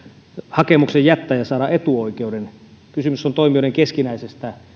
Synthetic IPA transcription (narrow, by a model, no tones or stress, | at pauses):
hɑkemuksejjæt̪ːæːjɑsɑːɾɑʔet̪uoˑikeuden | kysymysːont̪oimiŏeŋkeskinæisest̪æ